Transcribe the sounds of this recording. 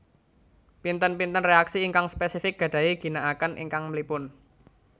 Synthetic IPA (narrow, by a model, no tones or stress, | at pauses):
pint̪ənpint̪ənreaksiːŋkaŋspesifɪk̚ɡ̥ä̤ɖ̥ä̤iɡ̥i̤naʔakənʔḭŋkaŋmlipʊn